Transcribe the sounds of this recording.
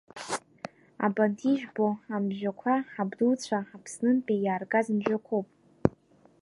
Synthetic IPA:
a̰bantʰiʒᶣboamʒᶣakʷʰaħabdult͡sʷʰaapʰsnɨnpʼijaːrɡʼazɨmʒᶣakʷʰowpʼ

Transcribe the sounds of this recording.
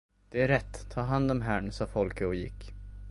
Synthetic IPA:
d̪̥ɛæɾɛt̪ːt̪ʰːɑːɦand̪ɔmɦæːɳsɑːfɔlkəɔjɪ̰kː

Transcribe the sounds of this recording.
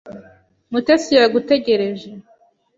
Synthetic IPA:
mutesiɾaɡute̞ɟe̞ɾe̞ʒe

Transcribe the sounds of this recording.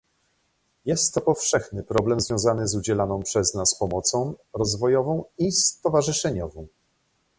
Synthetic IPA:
jɛst̪ːɔpɔfʂɛxnɘpɾɔblɛmzvjɔ̃w̃zanɘzud͡ʑɛlanɔ̃w̃pʂɛznaspɔmɔt̪sɔ̃w̃ɾɔzvɔjɔvɔ̃w̃ist̪ɔvaʐɘʂɛɲɔvɔ̃w̃

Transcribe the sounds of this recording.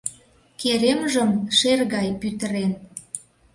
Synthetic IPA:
keɾemʒəmʃerɣɑjpyt̪əɾen

